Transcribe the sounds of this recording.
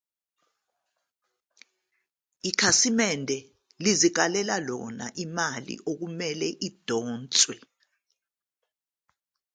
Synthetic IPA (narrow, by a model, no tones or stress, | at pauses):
ikʰasimɛndʱɛ | lizik̬alɛlalɔ̰na̰ʔimalḭʔok̬umɛlɛʔid̥ʱɔːnt͡sʼwɛ